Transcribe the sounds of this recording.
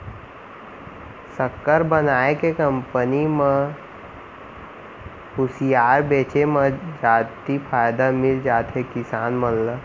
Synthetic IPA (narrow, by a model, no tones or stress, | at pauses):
səkːəɾbənaːekekəmpənimə̃ | hʊsijaːɾbeːt͡ʃemə̃d͡ʒaːt̪ipʰaːjd̪amɪld͡ʒaːt̪ɦekɪsaːnmənlə